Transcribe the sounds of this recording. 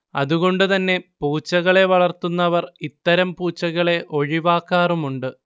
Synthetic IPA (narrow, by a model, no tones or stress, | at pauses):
ɐ̰ðuɣo̞ɳɖɨt̪ɐnːe̞puːt͡ɕːɐɣɐɭe̞ʋɐɭɐrt̪unːɐʋɐrit̪ːɐɾɐmpuːt͡ɕːɐɣɐɭe̞ʔo̞ɻiʋaːkːaːrumuɳɖɨ